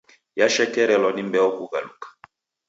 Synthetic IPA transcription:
jaʃɛkɛɾɛlɔnimbɛɔkuɣa̰lṵkḁ

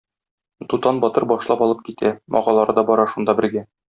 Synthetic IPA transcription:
t̪ut̪ɑnbɒt̪ɤɾbɒʃlˠɑpɒlˠɤp̚kit̪ʰæmʔɒ̰ʁɑlˠɑɾɤd̪ɒbɒɾɑʃund̪ɑbɘ̆ɾɡæ

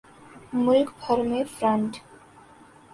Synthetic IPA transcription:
mʊlkbʱʰəɾmefɾə̃ɳʈ

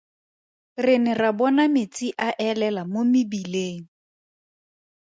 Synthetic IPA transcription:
rɪnɪrabɔnamɪt͡sʼiʔaʔɛlɛlamomɪbileːŋ̩

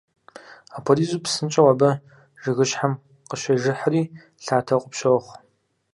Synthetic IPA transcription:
apʰoliːzuːpsɨnt͡ʃʼɐwabɐ | ʒɨɣɨɕħam | qəʃʷɐʒɨħaɾiː | ɬaːtʰɐqʷʼʊpʃɐwχʷ

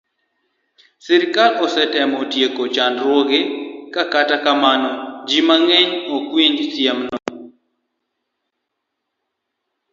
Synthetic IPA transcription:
sɛɾɪkalɔsɛtɛmɔtjekot͡ʃandɾwoɡekakatakamanɔd͡ʒimaŋeɲokwiɲd͡ʒsjɛmnɔ

